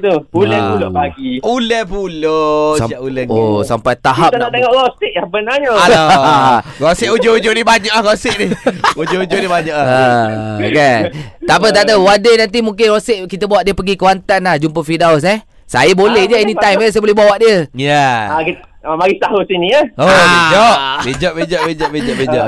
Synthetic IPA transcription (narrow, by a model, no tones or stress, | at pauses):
t̪ubulɛpuloʔbaɡiulɛhpulosaaʔulɛosampajt̪aɦapt̪ənnaʔt̪eŋɔʔlɔst̪ɪk̚lahbənaɲəa | ɡosɪʔud͡ʒoud͡ʒoʔnibaɲaʔlaɦɡosɪʔnihud͡ʒoud͡ʒoʔnibaɲaʔlaakat̪apəd̪aʔd̪awadenant̪̬imuŋk̬ɪnrosɪʔkit̪əbawaʔdiəpəɡikəwant̪anlahd͡ʒumpəfidaws̬nɛ | sa̰jəbolɛhd͡ʒainitt̪ajməs̬ajəbolɛhɦbawaʔdiəjaakimaɾist̪aɦusiniaobed͡ʒɔʔbed͡ʒɔʔbid͡ʒɔʔbid͡ʒɔʔbid͡ʒɔʔbed͡ʒɔʔ